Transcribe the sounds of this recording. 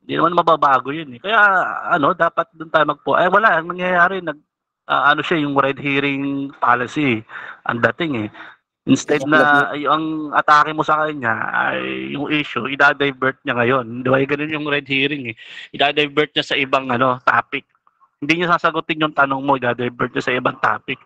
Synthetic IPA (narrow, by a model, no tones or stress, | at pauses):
hɪnd̪inɐmanmɐbaːbaːɡo̞jʊnɛkɐjaɐno̞d̪aːpɐt̪̚d̪ʊnt̪aːjomɐɡ̚poʔɐjwɐlaʔɐŋnɐŋjɐjaːɾɛnɐɡ̚ | ʔa̰ʔɐno̞ʃajʊŋɾɛd̪̚hiːɾɪŋpaːlɐsiʔɐ̰ŋd̪ɐt̪ɪŋɛ | ʔɪnst̪ɛd̪̚nɐjʊɐŋʔɐt̪aːkɪmo̞sɐkɐɲa̰ɐ̰jːʊŋʔiːʃʊʔɪd̪aːd̪ɐjbɛɹt̪̚ɲaŋɐjo̞nd̪ɪbajɡɐnonjʊŋɾɛd̪̚hiːɾɪŋɛʔɪd̪aːd̪ɐjbɛɹt̪̚ɲasɐʔɪbaŋʔɐno̞t̪aːpɪk̚ | hɪnd̪iɲasaːsɐɡʊt̪ɪɲjʊŋt̪ɐnoŋmo̞ʔɪd̪aːd̪ajbɛɹt̪ɲasɐʔɪbɐŋt̪a̰ːpɪk̚